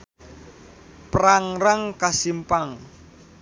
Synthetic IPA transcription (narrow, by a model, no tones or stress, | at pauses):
pɾaŋraŋkasimpaŋ